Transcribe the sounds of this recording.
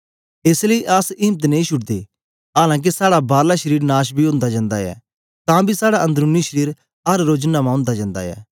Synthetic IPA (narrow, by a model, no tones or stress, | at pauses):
esləiʔɐsĩːmt̪̬nẽĩʃʊʈd̪ḛː | ɦaːlãːk̬esaːɽabaːɾlaːʃəɾiːɾnaːʃbʱiõːnd̪aːd͡ʒãːnd̪aːɛ̰ː | t̪ãːbisaːɽaʔə̃nd̪əɾʊniʃəɾiːɾ | ɦɐɾɾoːd͡ʒənːãmãːʊ̃nd̪aːd͡ʒãːnd̪a̰ːɛ̰ː